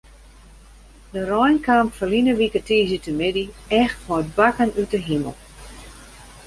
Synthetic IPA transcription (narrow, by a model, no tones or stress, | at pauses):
dərɔjnkamfəlinəʋikətiːzətəmɪdiɛxtfɔət̚bakənytəɦimə̰lˠ